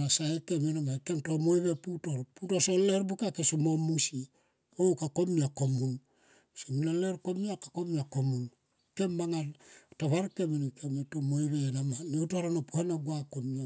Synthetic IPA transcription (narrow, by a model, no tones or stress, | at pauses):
nasaekemenamakemtomojβeputo̞ɾputosoleɾbukakesumomusi | owkakomiako̞mun | siminaleɾkomiakakomiakomun | ke̞mbaŋataβaɾkemenkemetomojβeːnamaniutoɾanapuhanaɡuakomia